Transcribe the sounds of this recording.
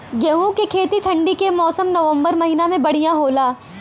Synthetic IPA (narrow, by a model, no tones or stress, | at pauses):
ɡeɦõkekʰeːt̪iʈʰɐ̃ɳɖikemɔːsəmnɐʋə̃mbəɾmɐɦinamẽbɐɽ̤ijãɦoːlaː